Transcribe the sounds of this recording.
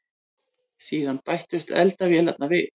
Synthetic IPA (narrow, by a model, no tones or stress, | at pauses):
siːðanpajht̪ʏ̥t̪ʰɛ̰lt̪avjɛːlɛp̚navɪ